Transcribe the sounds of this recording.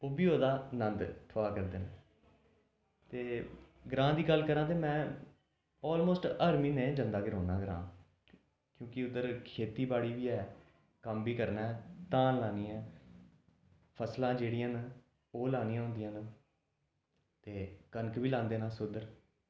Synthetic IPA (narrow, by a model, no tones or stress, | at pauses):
oːbiːoːd̪aːnənd̪t̪ʰʊaːkəɾd̪eːnãː | t̪eː | ɡɾãːd̪iːɡəlːkəɾãːt̪̬eːmɛ̃ː | ɔːlmoːsʈəɾmiːnẽːd͡ʒənd̪aːɡɪɾɦoːna̰ːɡɾã̰ː | kjõːkɪʊd̪əɾkʰeːt̪iːbaːɽiːʋiːɛː | kəmbiːkəɾnaːɛt̪ãːnlaːniːãː | pʰəslãːd͡ʒeːɽɪjãːn | oːlaːnĩjãːɦʊ̃nd̪ɪjãːn | t̪eːkənkʋiːlãːnd̪eːnãːsʊd̪əɾ